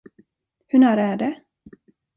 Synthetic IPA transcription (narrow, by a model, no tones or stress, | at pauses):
hɵɳæːɾæɖɛ